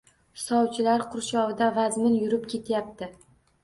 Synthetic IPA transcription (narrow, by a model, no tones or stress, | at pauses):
sɒwt͡ʃʰɪlaɾqʰʊɾʃɒvɪd̪avazmɪnjʊɾɪpkʲʰe̞t̪ʰjap̚t̪ɪ